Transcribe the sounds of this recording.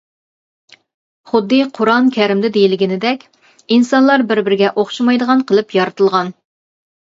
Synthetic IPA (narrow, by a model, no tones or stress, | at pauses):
χʊd̪ːɨqʰʊɾɑnkʲʰæɾɪmd̪ɪd̪ejilɪɡʲɪnɪd̪ɛkʲ | insɑnlˠɑɾbɪɾbɪɾɡʲɛʔoχʃmɑjd̪əʁɑnqʰəlˠɨpjɑɾɨt̪ɨlˠʁɑn